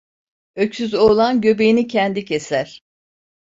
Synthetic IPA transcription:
øcsyzo̞ːlˠanɟø̞be̞jinicʰɛnd̪icʰe̞sæɾ̥

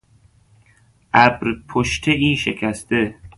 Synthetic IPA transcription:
ʔæbɾpʰoʃt̪ʰeiːʃekʰæst̪e

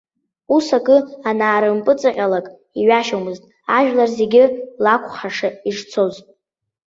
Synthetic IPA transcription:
usakʼɨanaːɾɨmpʼɨt͡sʼɨqʲʼalakʼ | iɥaʃomɨztʼ | aʒᶣlarze̞ɡʲɪlakʷʰʼχaʂaiʐt͡sʰo̞zʼ

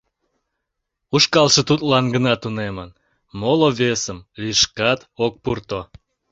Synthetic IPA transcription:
uʃkɑlʃə̆t̪ut̪lɑnɡənɑt̪unemən | moloβesəmliʃkɑt̪ok̚purt̪o

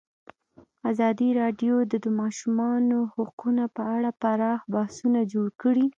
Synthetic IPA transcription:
azɑd̪iɾɑɖjod̪əd̪əmɑʃumɑnohaqunapəaɽapaɾɑxbahsunad͡ʒoɽkəɽi

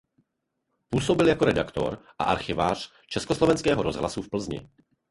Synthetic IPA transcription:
puːsobɪljakoɾɛdakt̪o̰ɾʔa̰ʔaɾxɪva̰ːr̝̥ | t͡ʃɛskoslɔvɛnskɛːɦɔɾozɦla̰sufpl̩zɲɪ̰

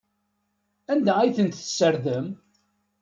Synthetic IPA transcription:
ænd̪æijθənt̪θə̥səɾðəm

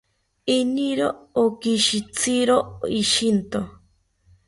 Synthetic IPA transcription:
iniɾoːkiʃit͡sʰiɾoiʃint̪o

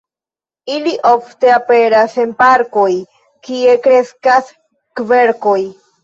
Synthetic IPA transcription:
iliʔoft̪e̞ape̞ɾase̞npaɾko̞j | kie̞kɾe̞skas | kve̞ɾkoj

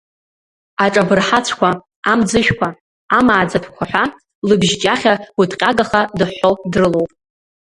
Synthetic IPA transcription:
aʈ͡ʂʼabɨrħat͡sʷʰkʷʰa | amd͡zɨʃᶣkʷa | amaːd͡zatʰkʷʰaħʷᶣa | lɨbʒd͡ʒʼaχʲautʰʼqʲʼaɡaχadɨħo̞wdrɨlo̞wpʼ

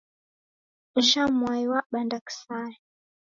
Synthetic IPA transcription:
ʒamwaiwaɓandaksajɛ

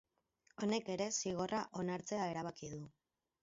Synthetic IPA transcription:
o̞ne̞ke̞ɾe̞siɣ̞o̞raʔo̞naɾt͡se̞ae̞ɾaβ̞akiðu

